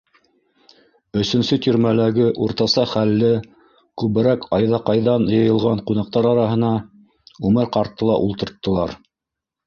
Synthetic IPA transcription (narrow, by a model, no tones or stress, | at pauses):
ɵ̆sɵ̆nsɵt̪ʲyɾmælæɡɘʔuɾt̪ɑsɑχælːɘ | kʉβɘ̆ɾækɑjðɑqɑjðɑnjɤ̆jɤ̆lˠʁɑɴqunɑq̚t̪ɑɾɑɾɑɦɤ̆nɑ | ʉmɘɾqɑɾt̪ːɤlˠɑ̰ʔulˠt̪ɤ̆ɾt̪ːɤ̆lˠɑɾ